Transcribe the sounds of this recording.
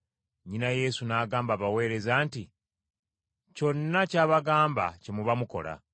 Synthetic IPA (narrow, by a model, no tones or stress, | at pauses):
ɲinaje̞ːsunaːɡaːmbaβawe̞ːɾe̞zaːnti | co̞nːacaːβaɡaːmba̰cemuβamuko̞̰la̰